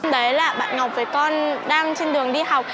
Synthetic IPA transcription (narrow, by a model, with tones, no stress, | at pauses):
mɗə˨˦jlaː˨˩ɓa̰ː˧˨nŋa˨˩k͡p̚vəː˨˦jkɔ˧nɗaː˧ŋt͡ɕe˧nɗɨ˨˩əŋɗi˧ha˨˩wk͡p̚